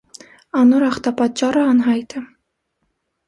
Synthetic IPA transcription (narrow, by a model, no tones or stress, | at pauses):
ɑnuɾɑχt̪ɑpɑt̪̚t͡ʃːɑɾəɑnɦɑjt̪ʰə